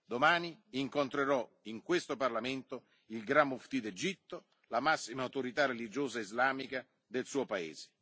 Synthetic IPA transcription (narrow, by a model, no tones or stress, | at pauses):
d̪omaːniːŋkont̪ɾeɾɔ | iŋkwest̪oparlament̪o | ilɡɾamːuft̪id̪ed͡ʒit̪ːo | lamasːimawt̪oɾit̪arelid͡ʒoːzaizlaːmika | d̪elsuːopaḛːze̥